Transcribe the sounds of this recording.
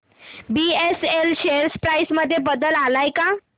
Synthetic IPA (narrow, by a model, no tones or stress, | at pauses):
bieselɕeɾspɾajsməd̪ʱːjebəd̪əlalajka